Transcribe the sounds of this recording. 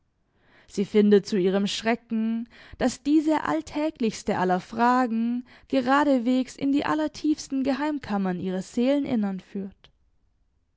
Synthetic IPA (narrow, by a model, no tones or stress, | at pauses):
z̥iːfɪndətt͡suiːʁ̞əmʃʁ̥ɛkŋ̩d̥asd̥iːzəʔa̰ltʰɛːklɪçstəʔalɐfʁ̥aːɡŋ̩ | ɡ̥əʁaːɾəveːksɪ̰ndiːʔa̰lɐtʰiːfstn̩ɡəɦaɪmkʰamɐniːʁ̞ɐz̥eːlənʔɪ̰nɐnfyːɐt